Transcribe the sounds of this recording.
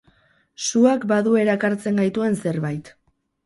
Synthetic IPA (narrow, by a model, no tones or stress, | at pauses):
suakbaðue̞ɾakaɾt͡se̞ŋɡajt̪ue̞nse̞ɾβajt̪